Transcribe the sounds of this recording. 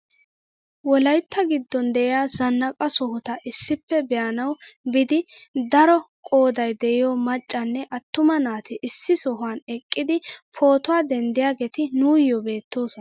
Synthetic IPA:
wɔlɐjt̪ːɐɡɪd̪ːɔnd̪ɛʔɪjaːzɐnːɐkʼɐsɔhʊt̪ɐʔɪsːɪpːɛbɛjɐnɐwbɪd̪ɪd̪ɐɾɔkʼo̞ːd̪ɐjd̪ɛɪjoːmɐt͡ʃʼːɐnːɛʔɐt̪ːʊmɐnaːt̪ɪʔɪsːɪsɔɦanɛkʼːɪd̪ɪpʰo̞ːt̪ʊwaːd̪ɛnd̪ɪjaːɡɛt̪ɪnuːjːɔbe̞ːt̪ːo̞ːsɔn

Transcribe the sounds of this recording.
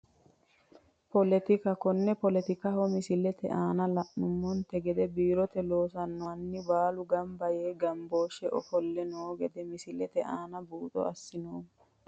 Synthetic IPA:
pɔlɛt̪ɪkɐkɔnːɛpɔlɛt̪ɪkɐhɔmɪsɪlɛt̪ɛ̰ʔaːnɐlɐʔnʊmːɔnt̪ɛɡɛd̪ɛbiːɾɔt̪ɛloːsɐnːɔnːɪbaːlʊɡɐmbɐjeːɡɐmboːʃɛʔɔ̰fɔlːɛnoːɡɛd̪ɛmɪsɪlɛt̪ɛʔaːnɐbuːt̪ʼɔ̰ɐsːɪnoːm

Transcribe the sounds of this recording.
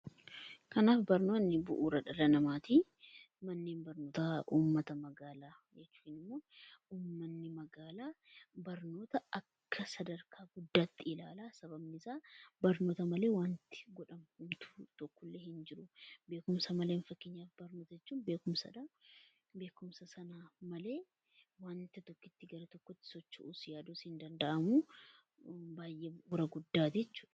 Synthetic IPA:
kɐnaːfbɐɾno̞ːnːɪbʊʔuːɾɐᶑɐdɐnɐmaːt̪iː | mɐnːeːnbɐɾnoːt̪ɐʔuːmːɐt̪ɐmɐɡaːlaː | jɛt͡ʃːuːnɪmːo̞ːuːmːɐnːɪmɐɡaːlaːbɐɾno̞ːt̪ɐʔɐkːɐsɐd̪ɐɾkʰaːɡʊd̪ːaːt̪ːɪɪlaːlaːsɐbɐbnɪsaːbɐɾno̞ːt̪ɐmɐle̞ːwaːnt̪ɪ̥ɡɔᶑɐmhʊmt̪u̥t̪ɔkːɔlːeːhɪnd͡ʒɪɾʊbe̞ːkʊmsɐmɐleːnfɐkːɪɲːaːfbɐɾnoːt̪ɐd͡ʒɛt͡ʃːuːnbe̞ːkʊmsɐ̰ᶑaː | be̞ːkʊmsɐsɐnaːmɐle̞ː | waːnt̪ɪt̪ɔkːɪt̪ːɪɡɐɾɐt̪ɔkːɔt̪ːɪ̥sɔt͡ʃːɐʔuːsjaːd̪ushɪnd̪ɐnd̪ɐʔɐmuː | baːjʔeːbʊɾɐɡʊd̪ːaːd͡ʒɛt͡ʃːuːᶑɐ̥

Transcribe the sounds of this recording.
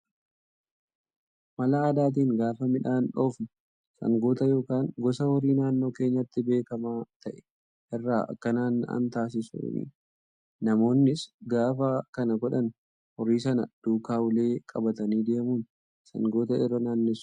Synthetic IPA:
mɐlɐaːd̪aːt̪̬iːŋɡaːfɐmɪᶑaːnᶑo̞ːfnɐ | sɐ̰ŋɡoːt̪ɐjo̞ːkaːŋɡɔsɐwɐɾiːnaːnːo̞ːkeːɲːɐt̪ːɪbe̞ːkɐmaːt̪ɐʔɛ̥ | hɛrːaːʔɐ̰kːɐnaːnːɐ̰nt̪aːs̬ɪsṵːnḭ | nɐmo̞ːnːɪsɡaːfakɐnɐɡɔᶑɐn | hɔɾiːsɐnɐd̪̥uːkaːʊle̞ːkʼɐbɐt̪ɐniːd̪eːmuːn | sɐ̰ŋɡo̞ːt̪ɐɛɾɐnaːnːɪs

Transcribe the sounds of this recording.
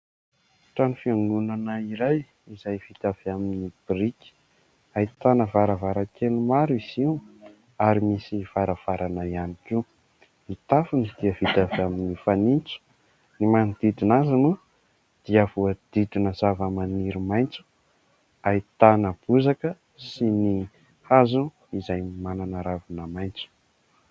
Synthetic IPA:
ʈ͡ʂanifiaŋɡunanəiɾaj | izajv̥it̪aveaminnib̥iriki̥ | ait̪anəvaɾəvaɾakelumaɾiz̥i | aɾimisiv̥aɾav̥aɾanaianiki | mit̪afunid̪̥iəv̥it̪avaminifanint͡su̥ | nimanid̪̥id̪inazanu | d̪̥iəvuəd̪̥id̪inəzavəmaniɾimajnt͡su̥ | ait̪anəb̥uzakə | sini | hazu | izajimananaɾavunəmajnt͡su̥

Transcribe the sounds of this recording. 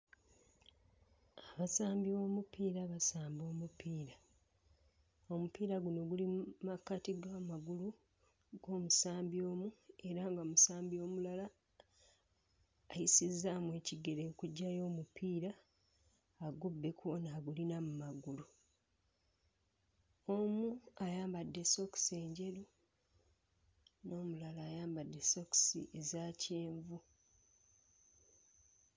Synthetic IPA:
aβasaːmbiβo̞ːmupiːɾaβasaːmbo̞ːmupiːɾa | o̞mupiːɾaɡuno̞ɡulimakːatiɡaːmaɡulu | ɡ̥o̞ːmusaːmbio̞ːmue̞ɾaːŋɡomusaːmbio̞ːmulala | jisizːamwe̞ːciɡe̞ɾekuɟːajo̞ːmupʰiːɾaː | ɡubːe̞kuonaɡulinamumaɡulu | omuajaːmbadːe̞so̞kse̞ːɲɟe̞ɾu | no̞ːmulalaːjaːmbadːe̞so̞ksḭʔe̞zaːce̞ːɱvu

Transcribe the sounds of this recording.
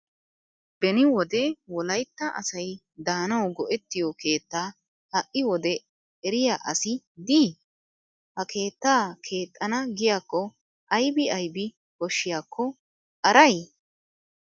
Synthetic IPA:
b̥ɛnɪwɔd̪ɛwɔlɐjt̪ːɐʔɐ̰sɐj | d̪aːnɐwɡɔʔɛt̪ːɪjɔke̞ːt̪ːaː | hɐʔːɪwɔd̪ɛ | ɛɾɪjaːʔɐsɪ | d̪iː | hɐkʰe̞ːt̪ːaːkʰe̞ːt̪ʼːɐnɐɡɪjaːkːɔ | ʔɐjbɪɐjbɪ | kɔʃːɪjaːkʰːɔ | ʔɐɾɐj

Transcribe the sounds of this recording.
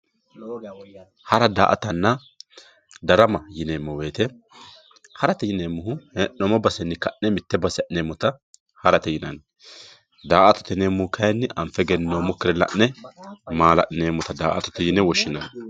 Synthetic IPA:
hɐɾɐd̪a̰ːʔɐ̰t̪ɐnːɐ | d̪ɐɾɐmɐjɪneːmːɔwe̞ːt̪ɛ | hɐɾɐt̪ɛjɪneːmːʊɦʊhɛnɔmɔbɐsɛnːɪkɐʔnɛmɪt̪ːɛbɐsɛɐʔneːmːɔt̪ɐ | hɐɾɐt̪ɛjɪnɐn | d̪aːʔɐt̪ɔ̥t̪ɛneːmːʊhʊkʰɐjɛnːɪʔɐmfɛɡɛnːoːmɔkːɪɾɛlɐ̰ʔnɛmaːlɐ̰ʔneːmːɔt̪ɐd̪aːʔɐ̰t̪ɔ̥t̪ɛjɪnɛwɔʃːɪnɐn

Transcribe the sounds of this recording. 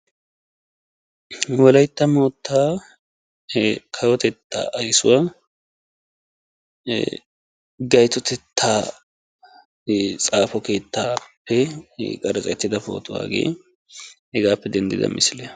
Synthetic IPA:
wɔlɐjt̪ːɐmoːt̪ʰːaː | kʰɐwɔt̪ɛt̪ːa̰ːʔɐjsʊ̰waː | ɡɐjt̪ɔt̪ɛt̪ʰːaː | t͡sʼaːfɔke̞ːt̪ːaːpːɛkʼɐɾt͡sʼɛt̪ːɪd̪ɐfo̞̰ːt̪ʰʊwa̰ːɡḛː | hɛɡaːpːɛd̪ɛnd̪ɪ̰d̪ɐ̰mʔɪsɪlɛ

